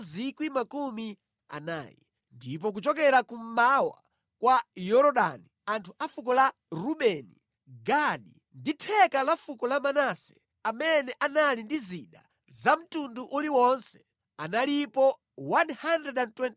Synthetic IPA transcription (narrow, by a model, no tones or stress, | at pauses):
zikwimakumi | a̰na̰ːjɛ̰ | ndip̬ɔk̬ut͡ʃɔkɛɾakum̩mawa̰ | kwajɔɾɔɗa̰niantʰuʔafukɔla | ɾuɓɛni | ɡaɗḭ | nditʰɛkalafukɔlamanasɛ̥ | amɛnɛʔanalindiziɗa̰ | zam̩tunduʔuliwɔnsɛ̥ | analipɔ | wanhandrɛɗɛntwɛnt